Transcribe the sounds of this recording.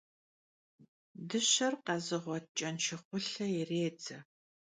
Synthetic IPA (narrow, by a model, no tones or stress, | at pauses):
dɨɕɐrqɐzɨʁʷɔt̚t͡ʃʼɐnʃɪχʷʊɬɐjɛreːd͡zɐ